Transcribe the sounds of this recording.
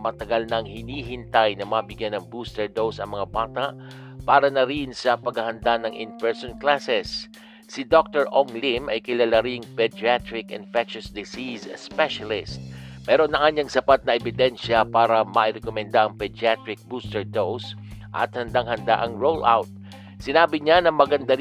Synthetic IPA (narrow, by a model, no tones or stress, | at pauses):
mɐt̪ɐɡalnɐŋhɪniːɦɪnt̪ajnɐmɐbɪɡjanɐŋbust̪ɛɹd̪owsɐŋmɐŋabaːt̪aʔ | paːɾɐnɐɾinsɐpɐɡɐhɐnd̪anɐŋɪnvɛɹsonklasɛsː | ɪd̪ok̚t̪ɛɹʔoŋlimɐjkɪlalɐɾiŋpɛd͡ʒiat̪ɾɪkɪ̰nfɛkʃʊsd̪ɪsisspɛʃɐlɪst̪̚ | pɛːɾonɐʔaɲɐŋsɐpat̪̚nɐɛbɪd̪ɛnʃjɐpaːɾɐmɐʔɪɾɛkomɛnd̪aʔɐŋpɛd͡ʒɪat̪ɾɪk̚buːst̪ɛɹd̪ows | ʔɐ̰t̪̚hɐnd̪aŋɦɐnd̪a̰ʔɐŋɹowlʔa̰wt̪̚ | sɪnaːbɪɲanɐmɐɡɐnd̪aɾ